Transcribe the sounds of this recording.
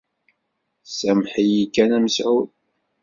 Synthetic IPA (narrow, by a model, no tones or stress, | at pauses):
sæmħijikːænæməsʕu